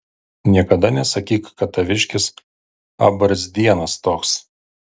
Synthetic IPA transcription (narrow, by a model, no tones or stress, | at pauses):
nʲiɛkɐd̪ɐnʲɛsɐkʲiːkkɐt̪ɐʋʲɪʃʲkʲɪs | ɐ̰bɐɾsʲd̪ʲiɛnɐst̪oːks